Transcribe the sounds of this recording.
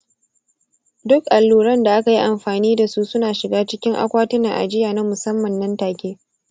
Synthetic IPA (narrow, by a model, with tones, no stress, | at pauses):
dʊ˦kʔa˨lːuː˨ɾɐ˦nda˨ʔa˦ka˨ji˦ʔa˨mɸaː˨niː˦da˨su˦sʊ˦naː˨ʃɪ˨ɡaː˦t͡ʃɪ˦kʲɪ˦ŋʔa̰˦kʷaː˦tʊ˦na˨ʔa̰˨d͡ʒɪ˦jaː˨na˦mʊ˨sɐ˦mːɐ˨nːɐ˦ntaː˨kʲeː˦